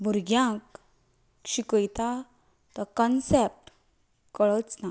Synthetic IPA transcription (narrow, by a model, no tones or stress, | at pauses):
bʱuɾɡjãk | ɕikəjt̪a | t̪ɔkɔnsep̚ʈ | kəɭɔt͡sna